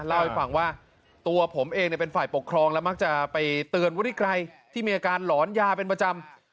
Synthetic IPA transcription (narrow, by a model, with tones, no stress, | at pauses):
la˥˩wha˦˩fa˨˩˦ŋwaː˥˩ | t̪u˧ɐpʰo˩˦mʔeː˧ŋni˨˩əpe˧nfaː˨˩jpo˨˩kʰɾɔː˧ŋlɛ˦˥wma˦˥k̚t͡ɕa˨˩pa˧jt̪ɯː˧ənwu˦˥i˥˩kʰɾa˧jt̪ʰiː˥˩miː˧ʔaː˧kaː˧nlɔː˩˦njaː˧pe˧npɾa˧t͡ɕa˧m